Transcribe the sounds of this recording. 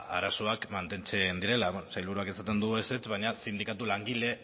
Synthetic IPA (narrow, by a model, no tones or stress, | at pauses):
a̰ɾaso̞akmant̪e̞nt͡se̞nd̪iɾe̞laβenosajlβuɾuakesat̪e̞nd̪ueset͡sβaɲasind̪ikat̪ulaŋɡile̞